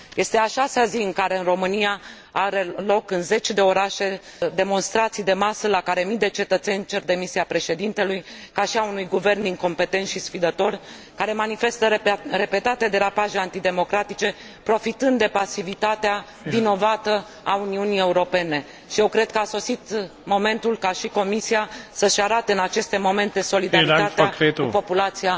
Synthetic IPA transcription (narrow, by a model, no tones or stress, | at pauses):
je̞st̪e̞aʃaseaziɨŋkaɾe̞ɨnro̞mɨnija | aɾelo̞kɨnze̞t͡ʃed̪e̞o̞ɾaʃe̞d̪e̞mo̞nst̪ɾat̪sijd̪e̞masəlakaɾe̞mijd̪e̞t͡ʃe̞t̪ət̪se̞nʲt͡ʃe̞rd̪e̞misiapɾe̞ʃe̞d̪int̪e̞lujkaʃiaunujɡuve̞rnd̪iŋko̞mpe̞t̪e̞nt̪ʃisfid̪ət̪o̞rʲ | kaɾe̞manife̞st̪əɾe̞pe̞t̪at̪ead̪e̞ɾapaʒeant̪id̪e̞mo̞kɾat̪it͡ʃe̞ | pɾo̞fit̪ɨnd̪d̪epasivit̪at̪ea | vino̞vat̪ə | auniunije̞uɾo̞pe̞ne̞ | ʃije̞wkɾe̞d̪̚kəaso̞sit̪mo̞me̞nt̪ulkaʃiko̞misiasəʃeaɾat̪e̞ɨnat͡ʃe̞st̪e̞mo̞me̞nt̪e̞so̞lid̪aɾɾit̪at̪eaupo̞pulat̪sija